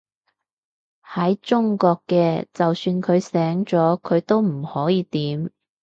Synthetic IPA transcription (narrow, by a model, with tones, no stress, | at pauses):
hɐ˨˥jt͡sʊ˥ŋkɔː˧kːɛː˧t͡sɐ˨wsyː˧nkʰɵ˨˧ɥsɛː˨˥ŋt͡sɔː˨˥kʰɵ˨˧ɥt̪o˥wm̩˨˩hɔː˨˥jiː˧t̪iː˨˥m